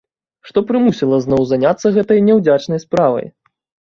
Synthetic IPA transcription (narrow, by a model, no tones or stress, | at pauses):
ʂt̪ɔpɾɨmusʲilˠɐznɔwzanʲat̪sːɐɣɛt̪ɐjnʲɛwd͡zʲat͡ʂnɐjspɾavɐ̰j